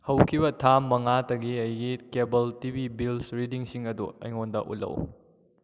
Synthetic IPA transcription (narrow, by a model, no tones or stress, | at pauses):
hɐwkʰibɐtʰamːɐŋatɐɡiɐjɡikebɐltibibilsɾidiŋsiŋɐdṵɐ̰jŋondɐ̰ʔṵlːɐ̰w